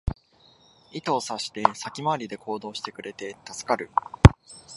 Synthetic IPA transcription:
it̪o̞ːsaɕi̥t̪e̞sakʲimaːɾʲid̪e̞ko̞ːd̪o̞ːɕi̥t̪e̞kɯ̟ɾe̞t̪e̞t̪asɨ̥kaɾɯ̟

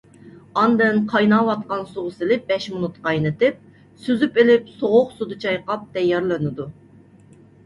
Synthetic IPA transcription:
ɑnd̪ɨnqʰɑjnɑwɑt̪̚qɑnsoʁʊsɨlɪb̥ɛʃmʊnut̪qɑjnɨt̪ɪp̚ | syzypɪlɪpsoʁʊqsud̪ɨt͡ʃʰɑjqɑp̚d̪ɛjːɑɾlˠɨnɨd̪u

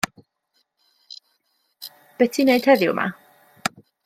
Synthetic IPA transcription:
b̥ɛtʰineɨd̥hɛðjʊ̰wma̰

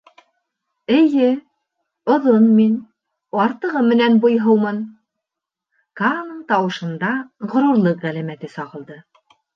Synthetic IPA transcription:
ɘ̆jɘ | ŏðonmin | ɑɾt̪ɤ̆ʁɤmɘ̆nænbŏjɦɤwmɤn | kɑnɤɴt̪ɑwɤ̆ʃɤ̆nd̪ɑʁŏɾuɾlˠɤqʁælæmæt̪ɘsɑʁɤ̆lˠd̪ɤ

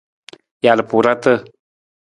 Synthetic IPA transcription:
jalpuɾat̪ə

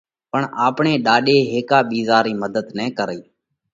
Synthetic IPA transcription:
pəɳaːpɳeːɗaːɗeːɦeːkaːɓiːzaːɾiːməd̪əd̪nɛ̃ːkəɾiː

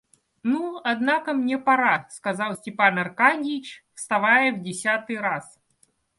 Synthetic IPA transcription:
nuɐd̪nakəmnʲepɐɾaskɐzalˠsʲtʲɪpanɐrkanʲdʲɪt͡ɕfst̪ɐvajəvdʲɪsʲat̪ɨjɾas

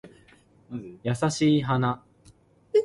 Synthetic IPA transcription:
jasaɕiːɦana

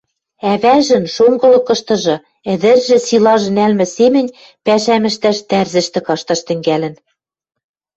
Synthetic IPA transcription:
æβæʒɘ̆nʃoŋɡɤ̆lɤ̆kɤ̆ʃt̪ɤ̆ʒɤ̆ | ɘ̆d̪ɘ̆rʒɘ̆silɑʒɤ̆nælmɘ̆semɘ̆nʲ | pæʃæmɘ̆ʃt̪æʃt̪ærzɘ̆ʃt̪ɘ̆kɑʃt̪ɑʃt̪ɘ̆ŋɡælɘ̆n

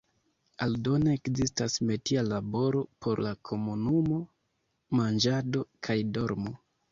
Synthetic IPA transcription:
aldo̞neːkzistasme̞tialabo̞ɾo̞pʰo̞ɾlakʰo̞munumo̞ | mand͡ʒado̞kʰajdo̞ɾmo̞

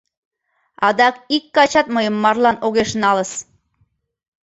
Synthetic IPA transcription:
ɑd̪ɑkikːɑt͡ɕɑt̪̚məjəmːɑrlɑnoɣeʃnɑləs

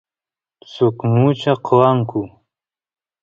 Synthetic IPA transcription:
t͡sʊkmut͡ʃaqʰowaŋkʊ

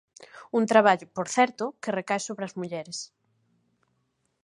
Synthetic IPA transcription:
unt̪ɾaβ̞aʎʊpoɾθɛɾt̪ʊkerekajsoβɾeɐzmuʎɛɾes

